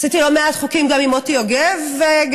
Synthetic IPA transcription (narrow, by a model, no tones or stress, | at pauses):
sit̪ilo̞meat̪χukimɡamimot̪ioɡeveɡ